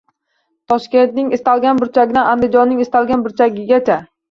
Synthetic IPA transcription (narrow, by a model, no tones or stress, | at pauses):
t̪ʰɒʃkʲe̞nt̪nɪŋɪst̪alˠɡʲanbʊɾt͡ʃʰaɡʲɪd̪anand̪ɪd͡ʒɒnːɪŋɪst̪alˠɡʲanbʊɾt͡ʃʰaɡʲɪɡʲat͡ʃʰa